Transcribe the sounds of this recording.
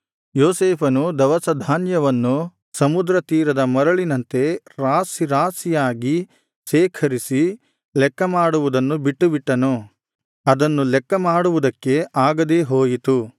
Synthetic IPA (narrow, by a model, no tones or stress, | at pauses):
joːseːpʰɐnud̪ɐʋɐsɐd̪ʱaːnjɐʋɐnːu | sɐmud̪ɾɐt̪iːɾɐd̪ɐmɐɾɐɭinɐnt̪e̞ɾaːsiɾaːsijaːɡi | ʃɛːkʰɐɾisi | lɛkːɐmaːɽuʋud̪ɐnːubiʈːubiʈːɐnu | ɐd̪ɐnːulɛkːɐmaːɽuʋud̪ɐkːe̞ʔaːɡɐd̪eɦoːjit̪u